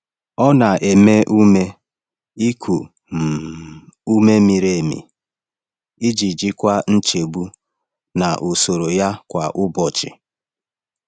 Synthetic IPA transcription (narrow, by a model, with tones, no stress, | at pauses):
ɔ˦na˨ʔe˨me˦ʔu˦me˦ | i˦kʰu˨ | m̩˨ | u˦me˦mi˨ɾe˨e˨mḭ˨ | i˦d͡ʒi˨d͡ʒi˦kʷa˦n̩˦t͡ʃe˨ɡ͡bu˦ | na˨ʔu˨so˨ɾo˨ja˦kʷa˨ʔʊ˦bɔ˨t͡ʃɪ̰˨